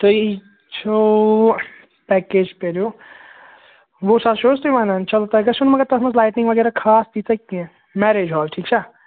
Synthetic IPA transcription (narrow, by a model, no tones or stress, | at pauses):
t̪oi | t͡ʃʰo | pɛːkeːd͡ʒpeɾoː | ʋoːsaʃoːst̪iʋaːnant͡ʃɐlt̪aɦɛɡɐʃʊnmɐɡəɾt̪ɐsməslaːɪʈnɪ̃ŋɡʋɐɡɛːɾakʰaːst͡ʃiːɐkːĩɛ̃ | mɛːɾeːd͡ʒɦɔːlʈʰiːkt͡ʃʰa